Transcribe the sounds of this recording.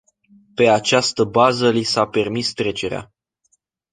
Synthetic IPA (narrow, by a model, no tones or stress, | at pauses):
pe̞at͡ʃast̪əbazəlisape̞rmist̪ɾe̞t͡ʃe̞ɾea̰